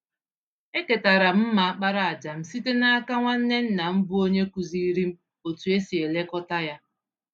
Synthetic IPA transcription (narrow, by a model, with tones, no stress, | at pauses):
e˦ke˨ta˨ɾa˨m̩˦ma˨a˦k͡pa˦ɾa˨a˨d͡ʒa˨m̩˨si˦te˦na˦a˦ka˦ŋʷa˦n̩˦ne˦n̩˦na˨m̩˦bu˦o˦ɲe˦ku˨zi˦i˦ɾi˦m̩˦ | o˨tu˨e˦si˨e˨le˦kɔ˦ta˦ja˦